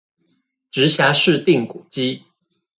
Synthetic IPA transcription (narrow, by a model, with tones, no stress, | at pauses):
ʈ͡ʂɻ̩˨˥˦ɕja˧˥ʂɻ̩˥˧t̪i˥˩ŋku˨˩t͡ɕi˥